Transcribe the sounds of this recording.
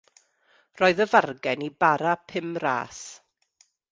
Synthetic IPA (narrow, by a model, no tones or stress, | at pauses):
rɔːɨðəvarɡɛnibaɾapʰɪmra̰ːs